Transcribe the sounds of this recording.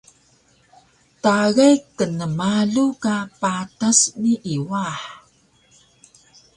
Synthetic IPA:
taɣajkənəmaɮukapatasniʔiwaħ

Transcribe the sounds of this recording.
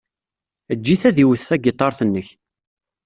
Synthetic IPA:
əd͡ʒːiθæðiwəθːæɡɪt̪ˤːɑɾˤθənːəç

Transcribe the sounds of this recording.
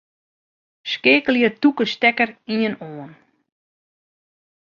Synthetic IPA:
skeːkəlˠjətukəstɛkəriənoːən

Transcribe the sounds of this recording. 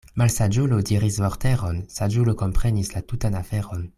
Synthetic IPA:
malsad͡ʒulodiʁisvoʁteʁonsad͡ʒulokompχenislatutanafeʁon

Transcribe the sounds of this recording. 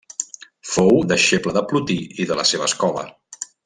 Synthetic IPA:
fowd̪əʃepləðəplut̪iʔiðələ̰seβ̞əskɔlə̰

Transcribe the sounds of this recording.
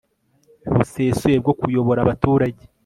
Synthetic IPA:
βuseːsuje̞b̚ɡo̞kujo̞βo̞ɾaβatuːɾaɟe

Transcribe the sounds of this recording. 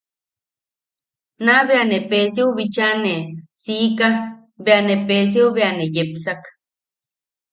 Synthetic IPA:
naβeanepes̬iuβit͡ʃanesiːka | beanepes̬iuβeanejepsak

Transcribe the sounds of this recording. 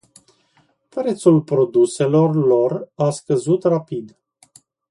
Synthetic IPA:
pɾe̞t̪sulpɾo̞d̪use̞lo̞rlo̞raskəzut̪rapid̪

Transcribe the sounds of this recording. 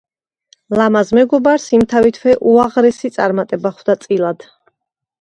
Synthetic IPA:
lamazmɛɡɔbaɾsimt̪ʰavit̪ʰvɛʔuaʁɾɛsit̪sʼa̰ɾmat̪ʼɛbaχwd̪at̪sʼilˠad̪̥

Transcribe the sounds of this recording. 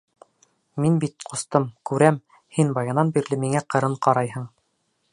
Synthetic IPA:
minbit̪̚qʰŏst̪ɤmkʉɾæm | hinbɑjɑnɑnbiɾlɘmiŋæqɤ̆ɾɤɴqɑɾɑjhɤɴ

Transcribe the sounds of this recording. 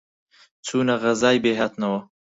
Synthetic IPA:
t͡sunaɣazɑːjbeɦat̪nawə

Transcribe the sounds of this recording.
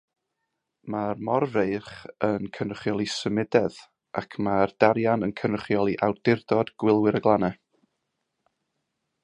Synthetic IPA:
marmɔrrejχənkʰənəχjɔlˠisəmɪdɛð | ʔakʰmard̥aɾjanənkʰənəχjɔlˠiʔawdɪrdɔdɡ̥wɪlˠwɪɾəɡlˠanɛ

